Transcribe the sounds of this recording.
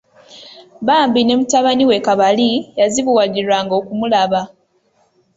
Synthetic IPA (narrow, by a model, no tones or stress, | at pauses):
βaːmbine̞mutaβaniwe̞kaβalijaziβuwaɟiɾwaːŋɡo̞ːkumulaβa